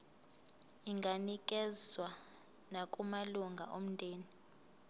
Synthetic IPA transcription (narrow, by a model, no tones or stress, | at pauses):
iŋɡʱanik̬ʼɛzwa | nakʼumaluŋɡʱa̰ʔom̩ntʼeːni